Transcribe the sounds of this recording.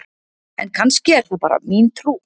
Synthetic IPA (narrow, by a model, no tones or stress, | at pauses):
ɛnkʰanscɪɛɾ̥θupaːɾa̰miːnt̪ʰɾuː